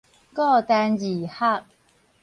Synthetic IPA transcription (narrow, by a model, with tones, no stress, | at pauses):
kɔ˥˨t̪a˧nji˨˩ha˥˨k̚